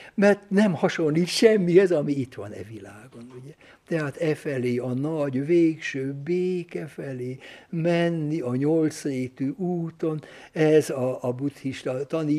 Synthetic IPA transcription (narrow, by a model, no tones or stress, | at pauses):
mɛrt̪nɛmhɒʃo̞nliːt̪ʃɛmːiɛzɒmiit̪ʋɒ̰nɛ̰vilaːɡo̞nuɟɛ | t̪ɛɦaːt̪ɛfɛleːɒnɒɟʋeːkʃøːbeːkɛfɛleːmɛnːiɒɲo̞lt̪sreːt̪yʔuːt̪o̞nɛzɒːbut̪hiʃt̪ɒt̪ɒniː